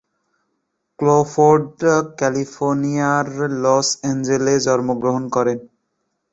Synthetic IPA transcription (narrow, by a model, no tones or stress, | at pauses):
klofʰoɾɖkɛlipʰoɾnijaɾlɔsend͡ʑeled͡ʑɔɾmoɡɾoɦonkɔɾen